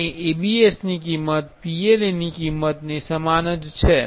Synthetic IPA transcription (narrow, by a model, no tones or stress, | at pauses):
eebiesnik̬imət̪̚pielenikimːət̪nesəmanət̪t͡ʃʰɛ